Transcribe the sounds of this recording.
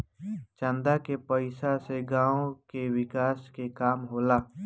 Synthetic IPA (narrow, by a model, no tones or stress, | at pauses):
t͡ʃə̃nd̪akepəɪsaseɡãːõkewɪkaːskekaːmɦoːlaː